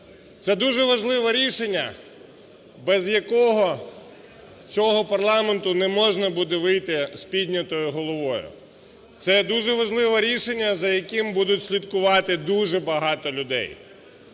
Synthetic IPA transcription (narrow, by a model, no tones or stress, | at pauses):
t̪sɛd̪uʒɛʋɐʒlˠɪʋɛɾʲiʃenʲːɐ̰ | bɛzjɐkɔɦɔ | t͡sʲɔɦɔpɐrlˠɑment̪ʊnɛmɔʒnɐbud̪ɛʋɪjt̪ɪspʲid̪ʲnʲɐt̪ɔjʊɦɔlˠɔʋɔjʊ̰ | t̪sɛd̪uʒɛʋɐʒlˠɪʋɛɾʲiʃenʲːɐzɐjɐkɪmbud̪ʊtʲsʲlʲid̪kʊʋɑt̪ɪd̪uʒɛbɐɦɑt̪ɔlʲʊd̪ɛ̰j